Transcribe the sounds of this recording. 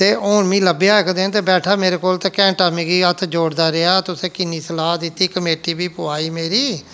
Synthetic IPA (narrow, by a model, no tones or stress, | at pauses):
t̪eːʔoːɳmĩːləbjaːɪkd̪eːt̪eːbɛːʈʰaːmeːɾeːkoːlt̪ẽːkɛ̃ːɳʈaːmiːɡiːət̪ʰd͡ʒoːɽd̪aːɾɪaːt̪ʊsẽːkɪniːsəlaːd̪ɪt̪ːiːkəmeːʈiːbiːpʊaːiːmeːɾiː